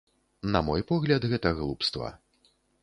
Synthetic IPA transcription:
nɐmɔjpɔɣlʲɐd̪ɣɛt̪ɐɣlˠupst̪vɐ̰

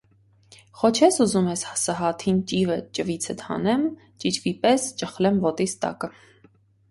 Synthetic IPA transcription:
χɔt͡ʃʰɛsuzumɛshsɑɦɑt̪ʰint͡ʃivət͡ʃəvit͡sʰət̪hɑ̰nɛm | t͡ʃit͡ʃvipɛst͡ʃəχlɛmvɔt̪ist̪ɑ̰kə

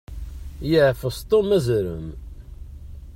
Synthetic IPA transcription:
jəʕfəst̪ˤomæzɾə̰m

